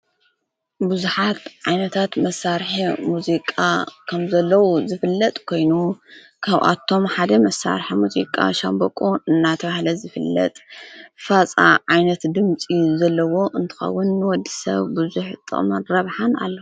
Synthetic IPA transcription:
buzuħat̪ʕajnɐt̪ʰat̪mɐsaɾħimuzikʼakʰɐmzɐlːɐwuzɨfɨlːɐt̪ʼkʰo̞jnu | kʰaβʔa̰t̪ʰːo̞mħad̪ɐmɐsa̰ɾħimuzikʼa̰ʃambɐkʼuɨnːat̪ʰɐβahlɐzɨfɨlːɐ̰t̪ʼfat͡sʼa̰ʕajnɐt̪d̪ɨmt͡sʼizɐlːɐwo̞ʔɨnt̪ʰɨ̥xɐ̰wːʊnːɨwɔd̪isɐ̰βbuzuħt̪ʼɨ̰χʼmɐɾɐβħana̰lːɐu

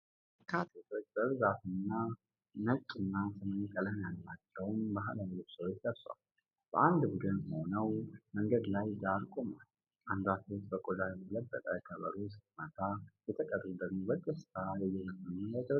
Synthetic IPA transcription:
kʰat̪ʰet̪ʰo̞t͡ʃʼːbəɨɾzat̪ɨnːa | nət͡ʃʼːɨnːasɨməɲkʼələmjalːat͡ʃːɛwnbaɦalalut̪səwot͡ʃləβswa̰l | b̥əʔand̪bud̪ɨnəho̞nəwməŋɡəd̪lajjaɾkʼoma̰l | ʔand̪wat̪ot̪bəkʼod̪ajɛt̪ʰələbːək̪ʼəkʰəβəɾusɨmət̪ʰajɛt̪ʰəkʼərmud̪əɡmobət̪ʼːəsajɛjːɛməkːənunat̪ʰə

